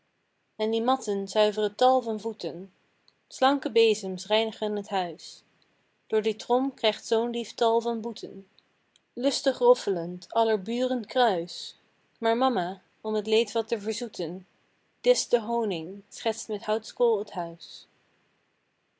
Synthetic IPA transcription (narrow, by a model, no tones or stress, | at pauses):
ɛndimɑtənzœɥvərətɑlˠvɑnvutən | slɑŋkəbejzəmsrɛjnəχənətɦœɥs | d̥ʊːɹditrɔmkrɛjχtsownliftɑlˠvɑnbutʰən | lɵstəχrɔfələntɑləɹbyːrəntkrœɥs | maːɹmɑma | ɔmətlejtʋɑtəvəɹzutən | d̥ɪsdəɦownɪŋsχɛtstmɛthɑwtskulˠətɦœɥs